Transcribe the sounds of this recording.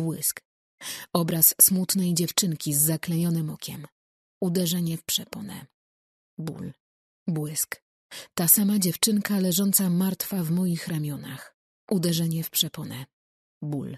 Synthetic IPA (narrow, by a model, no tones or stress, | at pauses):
bwɘsk | ɔbɾasːmut̪nɛjd͡ʑɛft͡ʂɘŋkʲizːaklɛɲɔnɘmɔkʲɛ̰m | ud̪ɛʐɛɲɛfpʂɛpɔnɛ̰ | bṵl | bwɘsk | t̪asamad͡ʑɛft͡ʂɘŋkalɛʐɔnt̪samaɾt̪favmɔjixɾamʲjɔnax | ʔud̪ɛʐɛɲɛfpʂɛpɔnɛ | bul